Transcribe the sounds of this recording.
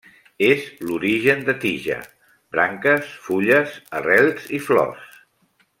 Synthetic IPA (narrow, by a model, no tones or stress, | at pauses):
ezluɾiʒənd̪ət̪iʒə̰ | bɾaŋkəsfuʎəsərɛlˠz̥iflɔ̰s